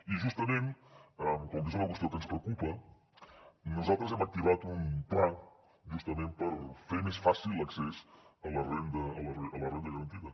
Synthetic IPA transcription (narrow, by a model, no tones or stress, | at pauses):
iʒuʃt̪ɐmẽnt̪akõmd̪izoaɣust̪ewkɐnspɾewkupɐ | nuzat̪ɾɐzɛmɐk̚t̪iβat̪uũplã | ʒuʃt̪ɐmẽnt̪̚pɐɾfeɾmesfasilˠɐksɛsɐlɐrẽnd̪ɐɐlɐeɐlɐrẽnd̪ɐɣɐɾɐ̃nt̪iðɐ